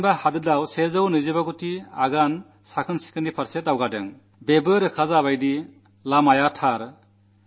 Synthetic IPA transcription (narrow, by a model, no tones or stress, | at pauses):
bahadɯdawsezɯwnɯzebaɡutia̰ɡan | sakʰɯnsi̥kʰɯndipʰaɾsetawɡadɯ̰ŋ | bebɯɾɯkʰazaβajdi | lamajatʰaɾ